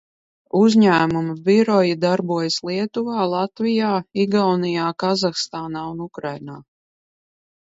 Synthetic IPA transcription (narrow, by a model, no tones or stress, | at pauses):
uzɲæːmumiviɾɔjid̪aɾbuɔjaslˠiɛt̪uvaːlˠat̪vijaːiɡawnijaːkazaxst̪aːnaːunukɾajnaː